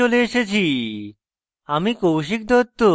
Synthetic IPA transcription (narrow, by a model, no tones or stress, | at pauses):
oleeʃet͡ɕʰi | amikowʃ̬ik̚d̪ɔt̪ːo